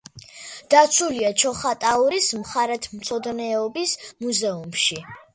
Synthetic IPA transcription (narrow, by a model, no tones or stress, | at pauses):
d̪̥at̪sʰuliat͡ʃʰɔχat̪ʼauɾismχaɾɛt̪ʰm̩t̪sʰɔd̪nɛɔbismuzɛumʃi